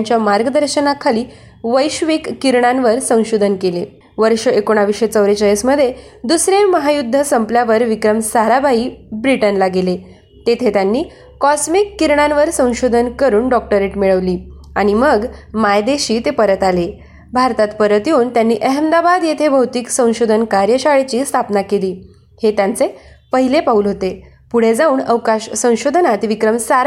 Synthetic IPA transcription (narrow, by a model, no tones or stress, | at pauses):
ɲt͡ɕjamaɾɡəd̪əɾɕənakʰːaliː | ʋəjɕʋikːiɾɳãnʋəɾsə̃w̃ɕod̪ʱənkelḛ | ʋəɾʂəʔekoɽ̃aʋiʂet͡səʋɾet͡ɕəjəsməd̪ʱːje | d̪usɾeməɦajud̪ʱːəsəmpljaʋəɾʋikɾəmsaɾabʱaiːbɾiʈənlaɡile | t̪et̪ʰet̪janːiː | kɔsmikːiɾɳãnʋəɾsə̃w̃ɕod̪ʱənkəɾuːnɖɔk̚ʈəɾeʈmiɭəʋliː | aɽ̃iməɡmajd̪eɕiːt̪epəɾət̪ale | bʱaɾt̪at̪pəɾət̪juːnt̪janːiːʔəɦəmd̪abad̪jet̪ʰebʱəwt̪iksə̃w̃ɕod̪ʱənkaɾjəɕaɭet͡ɕiːst̪ʰapnakeliː | het̪jant͡sepəɦilepauːlɦot̪e | puɽ̤ed͡zauːɳəʋkaɕsə̃w̃ɕod̪ʱənat̪ʋikɾəmsaɾ